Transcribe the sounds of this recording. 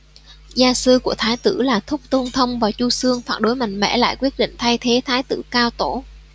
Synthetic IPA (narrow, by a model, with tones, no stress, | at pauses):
zaː˧sɨ˧ku˧˩ət̪ʰaː˨˦jt̪ɨ̰˧˩laː˨˩t̪ʰʊ˦˥k͡p̚t̪o˧nt̪ʰə˧wŋ͡mvaː˨˩wt͡ɕu˧sɨ˧əŋfaː˧˩nɗo˨˦jma˨˩jŋ̟mɛ̰˧˥la̰ː˧˨jkwi˦˥ət̚ɗḭ˧˨ŋ̟t̪ʰa˧jt̪ʰe˨˦t̪ʰaː˨˦jt̪ɨ̰˧˩kaː˧wt̪o˧˩